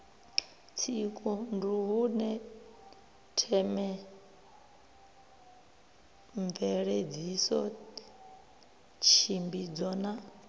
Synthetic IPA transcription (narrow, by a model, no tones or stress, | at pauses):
t͡sʰikʼunduɦunɛ | tʰɛmɛ | ɱvɛɺed͡zisɔ | t͡ʃʰimbid͡zɔna